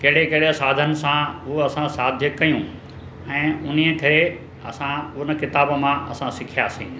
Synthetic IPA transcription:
kɐɦɪɽekɐɦɪɽesaːd̪ʱənɪ̆sãɦʊɐsãsaːd̪ʱjəkːɐjũ | ɛ̃ːʊn̤iəkʰɐɾe | ɐ̰sãʊnə̆kɪt̪aːbmãɐsãsɪkʰijaːsḭ̃ː

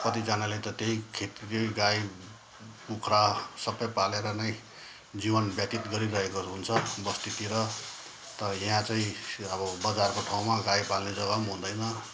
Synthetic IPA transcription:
kʌt̪id͡zanalet̪ʌt̪eɦikʰet̪ɾejɡaj | pukʰɾasʌbʌjpaleɾʌnʌj | d͡zibʌnbjat̪it̪ɡʌɾiɾʌɦekoɦunt͡sʰʌbʌst̪ʰit̪iɾʌ | t̪ʌɾʌjãt͡saĩʌbʌbʌd͡zarkoʈʰaw̃maɡajpalned͡zʌɡʌmɦũnd̪ʌjnʌ

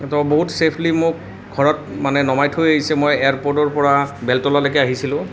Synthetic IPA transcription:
tɔboɦutsepʰlimʊk̚ | ɡʱɔɹɔt̚manɛnɔmajtʰhojaɦisɛmojejaɹpɔɹdɔɹpɔɹabɛltɔlalakɛaɦisilʊ̃

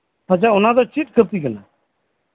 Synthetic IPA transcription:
at͡ʃaʊnãd̪ɔt͡ʃiʈkʰət̪ikəna̰

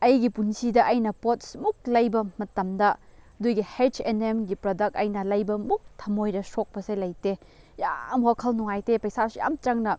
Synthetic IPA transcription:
ɐjɡipunsidɐʔɐjnɐpotsmuk̚lɐjbɐmɐtɐmdɐ | dujɡihet͡ʃenemɡipɾodɐk̚tɐjnɐlɐjbɐmuk̚tʰɐmojɾɐsok̚pɐselɐjte | ja̰mwakʰɐlnuŋajtepɐjsaseja̰mt͡ʃɐŋnɐ

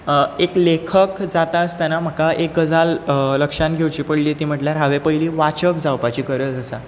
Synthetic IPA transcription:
eklekʰəkd͡zat̪aəst̪janam̤əkaʔek̚ɡəd͡zalləkʂãnɡʱewt͡ɕiːpəɽliːt̪iːm̤əʈljaɾɦaʋepəiliːʋat͡ɕəkd͡zawpat͡ɕiːkəɾəːt͡səsa̰

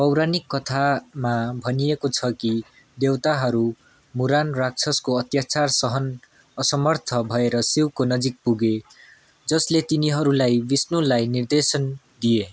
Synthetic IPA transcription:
pʌwɾanikːʌt̪ʰamabʱʌnijekot͡sʰʌki | d̪ewt̪aɦʌɾu | muɾanrak̚t͡sʰʌskoʌt̪jat͡sarsʌɦʌn | ʌsʌmʌrt̪ʰʌbʱʌeɾʌsiwkonʌd͡zik̚puɡe | d͡zʌslet̪iniɦʌɾulajbisnulajnird̪esʌn | d̪ie

